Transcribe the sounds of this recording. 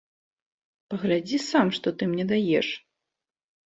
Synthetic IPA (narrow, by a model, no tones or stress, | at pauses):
pɐɣlʲad͡zʲisamʂt̪ɔt̪ɨmnʲɛd̪ajɛʂ